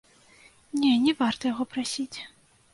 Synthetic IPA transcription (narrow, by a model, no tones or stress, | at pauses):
nʲɛnʲɛvart̪ɐjaɣɔpɾasʲit͡sʲ